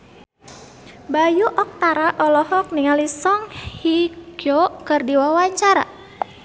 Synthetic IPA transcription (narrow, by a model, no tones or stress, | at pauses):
bajuʔɔk̚t̪aɾaʔɔlɔhɔk̚niŋalisɔŋhiɡokɨrdiwawaɲt͡ʃaɾa̰